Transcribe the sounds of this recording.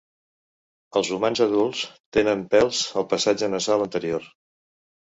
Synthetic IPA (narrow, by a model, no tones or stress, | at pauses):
əlˠzumanzəðulˠst̪enəmpɛlˠzəlˠpəsad͡ʒənəzalənt̪əɾioɾ